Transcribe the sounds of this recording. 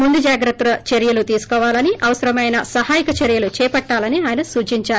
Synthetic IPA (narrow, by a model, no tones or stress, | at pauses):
mund̪ud͡ʒaːɡɾɐt̪ːɾɐt͡ʃeɾjɐlut̪iːsu̥kɔːʋaːlɐniʔɐʋɐsɐɾɐmɐjnɐsɐhaːjikɐt͡ʃeɾjɐlut͡ʃɛːpɐʈːaːlɐniaːjnɐsuːt͡ʃiɲt͡ʃaːɾu